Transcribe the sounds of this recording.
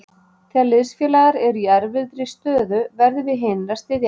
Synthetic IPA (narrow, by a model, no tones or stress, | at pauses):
θɛalɪðsfjɛːlaɣaɾɛɾiɛɾvɪt̪ɾɪst̪œːðʏvɛɾðɪvɪðɦeːnast̪ɪðj